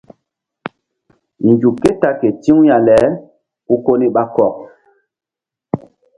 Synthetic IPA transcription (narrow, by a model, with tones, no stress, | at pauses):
nd͡ʒu˨ke˦ta˦ke˨ti˦ŋ˦ja˨lɛ˨˦ | u˦ko˦ni˦ɓa˦kɔ˦˨k̚